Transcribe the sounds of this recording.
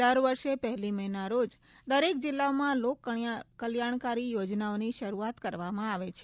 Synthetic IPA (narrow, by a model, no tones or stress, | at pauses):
əɾʋəɾʃepəɦliməɦnaɾod͡ʒ | d̪əɾek̚d͡ʒɪlːaomãlokkəljaɳ̃kaɾijod͡ʒnaoniʃəɾuat̪kəɾʋamãaʋet͡ʃʰ